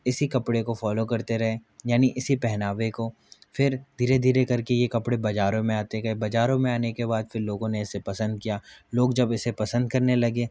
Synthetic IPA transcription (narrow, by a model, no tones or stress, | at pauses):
ɪsikɐpɽekofɔːlokɐɾt̪eɾɐɦẽjaːniʔɪsipɛɦnaːʋeko | fɪɾd̪ʱiːɾed̪ʱiːɾekɐɾkejekɐpɽebɐd͡ʒaːɾõmẽaːt̪ekɐɦebɐd͡ʒaːɾõmẽaːnekebaːd̪fɪɾloːɡõneɪsepɐsə̃nd̪̚kijaːloːɡd͡ʒɐbɪsepɐsə̃nd̪̚kɐɾnelɐɡeː